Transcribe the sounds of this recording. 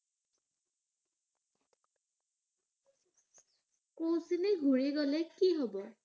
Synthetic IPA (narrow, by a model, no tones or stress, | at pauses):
kowsineɡʱuɹiɡɔlekiɦobɔ